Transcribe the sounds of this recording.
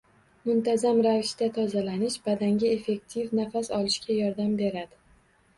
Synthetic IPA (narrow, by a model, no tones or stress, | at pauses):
mʊnt̪ʰazamɾavɪʃt̪at̪ʰɒzalanɪʃbad̪aŋɡʲae̞fe̞k̚t̪ʰivnafasɒlɪʃkʲʰajɒɾd̪ambe̞ɾad̪ɪ